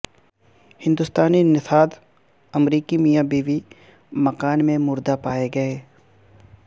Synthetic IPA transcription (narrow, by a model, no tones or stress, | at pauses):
hɪ̃nd̪ʊst̪aːninɪsaːd̪ | ɐmɾiːkimijabiːʋi | mɐkaːnmẽmʊɾd̪apaːeɡɐeː